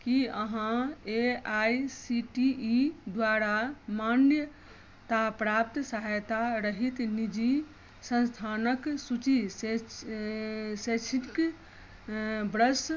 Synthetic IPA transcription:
kiəɦãeaisiʈiid̪ʋaɾamanjə | t̪apɾapt̪səɦajt̪aɾəɦit̪nid͡ʒi | sə̃nst̪ʰanəksut͡ʃise | set͡ʃʰik | bɾəs

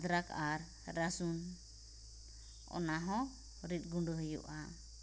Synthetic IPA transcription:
d̪ɾakaɾː | asun | ɔ̰naɦɔ̃ | ɾit̪̚ˀɡuɳɖuɦəjṵʔa

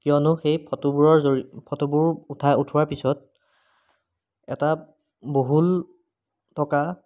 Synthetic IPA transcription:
kijɔnʊxejpʰɔtubuɹɔɹzoipʰɔtubʊɹutʰajutʰʊwaɹpisɔt̚ | ɛ̰ta | boɦul | tɔka

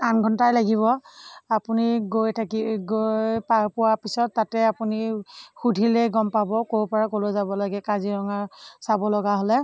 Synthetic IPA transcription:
anɡʱɔntajlaɡiβɔapuniɡojtʰkiɡojjpapʊwapisɔtːatɛapunixudʱilɛɡɔmpabɔkoɹpɔɹakolozabɔlaɡɛkaziɹɔŋaɹsabɔlɔɡaɦɔlɛ

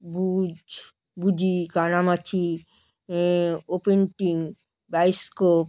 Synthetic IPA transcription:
bud͡ʒ | bud͡ʑikanamatʰi | openʈiŋ | bajskop

